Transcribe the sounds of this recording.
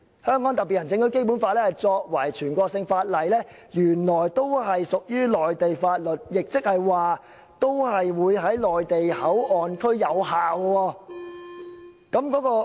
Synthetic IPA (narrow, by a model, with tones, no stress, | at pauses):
hœː˥ŋkɔː˨˥ŋt̪ɐ˨pi˨t̚jɐ˨nt͡sɪ˧ŋt̪ɵ˨˥ɥke˥jp̬uː˨˥nfaː˧t̚lɛː˥hɐ˨jt͡sɔː˧k̚wɐ˨˩jt͡ʃʰyː˨˩nkɔː˧k̚sɪ˧ŋfaː˧t̚lɐ˨˩jlɛː˥jyː˨˩nlɔː˨˩jt̪o˥wɦɐ˨jsʊ˨k̚jyː˥lɔː˨jt̪e˨jfaː˧t̚lɵ˨t̚jɪ˨k̚t͡sɪ˥k̚hɐ˨jwaː˨ | t̪o˥whɐ˨jwuː˨˧jɦɐ˨˥jlɔː˨jt̪e˨jhɐ˨˥wɔː˨nkʰɵ˥ɥjɐ˨˧whaː˨wwɔː˧ | kɐ˨˥mkɔː˨˥kɔː˧